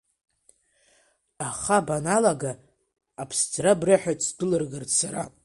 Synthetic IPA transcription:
aχabanalaɡaː | pʰst͡sʰrabrɨħʷᶣat͡sʰʼdɨlɨrɡɨrsaɾa

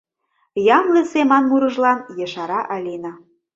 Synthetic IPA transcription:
jɑmlĕsemɑnmuɾɤ̆ʒlɑnjɤ̆ʃɑɾɑʔɑlʲinɑ

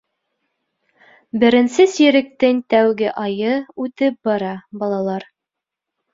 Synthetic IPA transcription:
bɘ̆ɾɘ̆nsɘsiɾɘ̆k̚t̪ɘŋt̪æwɡɘʔɑjɤʉt̪ɘp̚bɑɾɑbɑlˠɑlˠɑɾ

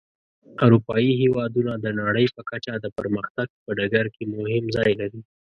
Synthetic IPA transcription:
aɾupɑjiɦewɑd̪unad̪ənɑɽəjpəkat͡ʃad̪əpəɾməxt̪aɡ̚pəɖaɡaɾkemʊhɪmzɑjlaɾi

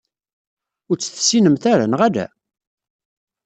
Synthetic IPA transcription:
ʊɾt͡sːə̥θsːinəmθæɾænʁælæ̰

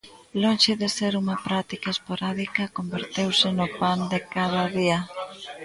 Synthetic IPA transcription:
lonʃeðɪseɾuŋɐpɾat̪ikaespoɾaðikɐkombeɾt̪ewsɪnʊpand̪ekað̞ɐðiɐ

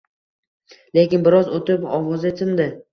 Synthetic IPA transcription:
le̞kʲɪnbɪɾɒzot̪ɪpɒwɒzet̪ʰɪnd̪ɪ

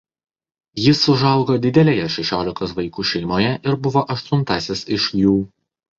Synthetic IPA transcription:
jɪsːʊʒɐˑʊɡoːd̪ʲɪd̪ʲɛlʲeːjɛʃʲɛʃʲoːlʲɪkt̪ɐsʋɐɪkuːʃʲɛɪmoːjɛʔɪɾbʊʋoːʔɐʃt̪ʊnˑt̪ɑsʲɪsɪʃjuː

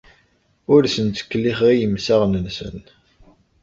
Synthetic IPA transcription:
ʊɾsənt̪ə̥kːlːiχʁijəmsaʁnənsə̰n

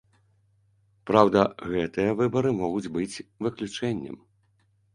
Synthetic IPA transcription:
pɾawd̪ɐɣɛt̪ɨjɐvɨbɐɾɨmɔɣud͡zʲbɨt͡sʲvɨklʲut͡ʂɛnʲːɐ̰m

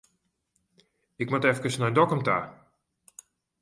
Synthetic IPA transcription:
ɪkmatɛfkəsnɔjndɔkɔmtaː

